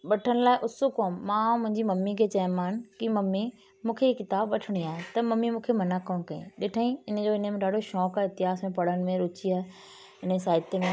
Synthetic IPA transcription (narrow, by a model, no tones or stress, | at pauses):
ɓɐʈʰəɽ̃ʊ̆laːɪʔʊsukoːmːãmʊ̃ɦɪ̃ɲd͡ʑimɐmːikʰet͡ɕɐ̃maːnkimɐmːi | mũːkʰeikɪt̪aːbʋɐʈʰɪɽ̃iaːɦet̪ɐmɐmːimũːkʰemɐnakoːñkɐḭ̃ɗeːʈʰaːĩɪnə̆d͡ʑoɪnəmẽɗaːɽ̤ʱoʃɔːkːɪt̪ɪɦaːsmẽpɐɽ̤əñɪ̆mẽɾʊt͡ɕiaːe | ɪnəsaːɪt̪emẽ